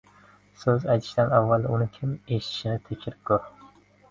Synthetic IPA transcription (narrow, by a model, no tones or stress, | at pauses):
sɵzajt̪ʰɪ̥ʃd̪anavːalˠd̪aʊnɪkʲʰɪme̞ʃɪ̥t̪ʰɪ̥ʃɪnɪt̪ʰɪkʲʰɪɾɪp̚kʰoɾ